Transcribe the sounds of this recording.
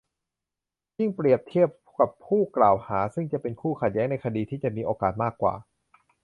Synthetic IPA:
ji˥˩ŋpɾi˨˩əp̚t̪ʰi˥˩əp̚ | ka˨˩pʰːuː˥˩klaː˨˩whaː˩˦sɯ˥˩ŋt͡ɕa˨˩pe˧nkʰuː˥˩kʰa˨˩t̪̚jɛː˦˥ŋna˧jkʰa˧diː˧t̪ʰiː˥˩t͡ɕa˨˩ʔmiː˧ʔoː˧kaː˨˩t̪̚maː˥˩kːwa̰ː˨˩

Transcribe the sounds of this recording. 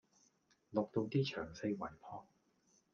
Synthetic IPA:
lʊ˨k̚t̪o˧wt̪iː˥t͡ʃʰœː˨˩ŋse˧jwɐ˨˩jpʰɔː˧˥ŋ̚

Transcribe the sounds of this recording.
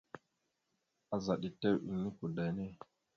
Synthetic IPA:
a˨za˨ɗi˨te˦wʔḭ˨ŋi˦ku˨da˨jne˦

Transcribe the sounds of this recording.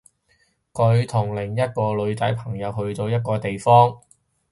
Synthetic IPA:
kɵ˨˧ɥt̪ʰʊ˨˩ŋlɪ˨˩ŋjɐ˥t̚kɔː˧lɵ˨˧ɥt͡s̪ɐ˨˥jpʰɐ˨˩ŋjɐ˨˧wɦɵ˧ɥt̪o˧wjɐ˥t̚kɔː˧t̪e˨jfɔː˥ŋ

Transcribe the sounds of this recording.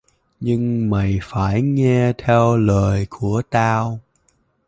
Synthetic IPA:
ɲɨ˧ŋma˨˩jfaː˧˩jŋɛ˧t̪ʰɛ˧wləː˨˩jkʰu˧˩ət̪aː˧w

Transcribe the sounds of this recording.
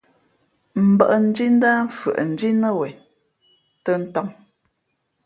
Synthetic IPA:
m̩˨bə˦ʔə˨n̩˦d͡ʒi˦n̩˦da˦ɱ̩˦˨fə̰˨ʔn̩˨d͡ʒi˦nə˦wɛ˨ | tə˦n̩˦tɔ˦ŋ

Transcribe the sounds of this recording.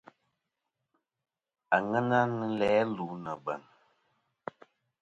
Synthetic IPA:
a˨ŋɛ˦na˦nɨ˦lɛː˨˦luː˨˦nə˨bə̰˨n

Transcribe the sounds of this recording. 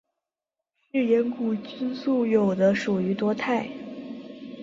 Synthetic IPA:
y˥˩jɛ˧˥nku˨˩t͡ɕy˥nsu˥˩jo˨˩ʊd̪ə˦ʂu˨˩y˧˥t̪wɔ˥t̪ʰa˥˩ɪ

